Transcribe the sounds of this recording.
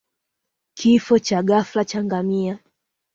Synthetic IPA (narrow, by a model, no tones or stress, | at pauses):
kʰifɔt͡ʃaɠaflat͡ʃaŋɡamia